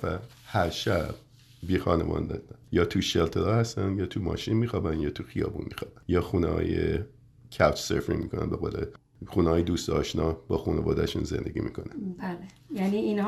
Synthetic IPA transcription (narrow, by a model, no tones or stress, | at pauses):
væ | hæɾʃæb̥̚ | biːxɒːnevɒ̰ːnd̪ɛd̪æjɒːt̪ʰuʃelt̪ʰelɒːhæst̪ænjɒːt̪ʰumɒ̰ːʃinmiːxɒːbænjɒːt̪ʰuxijɒ̰ːbṵːnmiːxɒːb̥ænjɒːxuːnehɒ̰ːje | kʰæwt͡ʃʰseɾfɾiŋmiːkʰonæ̰nbeɣoːle | xuːnɛhɒːjed̪uːst̪ɒːʃnɒːbɒːxunevɒ̰ːd̪æʃunzend̪eɡʲḭːmiːkʰonænbæle | jæniinh